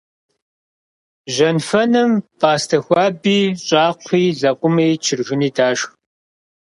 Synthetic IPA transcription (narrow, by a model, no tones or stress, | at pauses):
ʒɐnfɐnɨmpʼaːstʰɐxʷɑːbiːɕʼɑːqʷʰiːzɐqʷʼʊmeːt͡ʃʰɪrʒɪniːdaːʃx